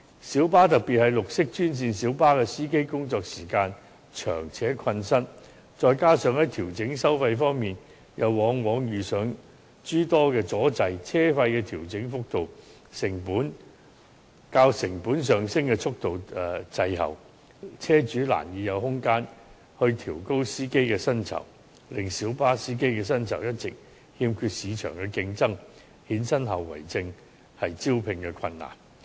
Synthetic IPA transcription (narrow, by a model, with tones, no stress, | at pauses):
siː˨˥wpaː˥t̪ɐ˨k̚piː˨t̚hɐ˨˧jlʊ˨k̚sɪ˥k̚t͡ʃyː˥nt͡siː˧nsiː˨˥wpaː˥kɛː˧siː˥ke˥jkʊ˥ŋt͡sɔː˧k̚siː˨˩kaː˧n | t͡ʃʰœ̰ː˨˩ŋt͡sʰɛː˨˥kʰɐ˧nsɐ˥n | t͡sɔː˨˧jkaː˥sœː˨˧ŋhɐ˨˥jt̪ʰiː˨˩wt͡sɪ˨˥ŋsɐ˥wfɐ˧jfɔː˥ŋmiː˨n | jɐ˨˧wːɔː˨˥ŋwɔː˨˥ŋjyː˨sœː˨˧ŋ | t͡ʃyː˥t̪ɔː˥kɛː˧t͡sɔː˨˥t͡sɐ˧jt͡sʰɛː˥fɐ˧jkɛː˧t̪ʰiː˨˩wt͡sɪ˨˥ŋfʊ˥k̚t̪o˨w | sɪ˨˩ŋpuː˨˥n | kaː˧wsɪ˨˩ŋpuː˨˥ns̬œː˨˩ŋsɪ˥ŋkɛ˧t͡sʰʊ˥k̚t̪o˨wt͡sɐ˧jɦɐ̰˨w | t͡sʰɛː˥t͡ʃyː˨˥la̰ː˨˩njiː˨˧jɐ˨˧whʊ˥ŋkaː˥n | hɵ˧ɥt̪ʰiː˨˩wko˥wsiː˥ke˥jkɛː˧sɐ˥nt͡sʰɐ̰˨˩w | lɪ˨ŋsiː˨˥wpaː˥siː˥ke˥jkɛ˧sɐ˥nt͡sʰɐ̰˨˩wjɐ˥t̚t͡sɪ˨k̚ | hiː˧mkʰyː˧t̚siː˨˧t͡ʃʰœ̰ː˨˩ŋkɛː˧kɪ˧ŋt͡sɐ˥ŋ | hiː˨˥nsɐ˥nɦɐ˨wːɐ̰˨˩jt͡sɪ˧ŋ | hɐ˨jt͡si˥wpʰɪ˨˧ŋkɛ˧kʰɐ˧nːa̰ː˨˩n